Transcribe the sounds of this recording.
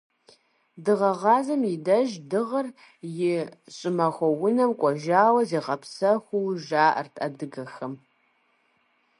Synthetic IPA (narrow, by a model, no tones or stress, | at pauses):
dɨʁɐʁɑːzɐmjɪdɐʒdɨʁɐr | jɪɕʼɪmɐxʷɔwʊnɐmkʷʼɔʒaːwɐzeːʁɐpsɐxʷʊwʒaːʔrtʼɐdɨɡɐxɐm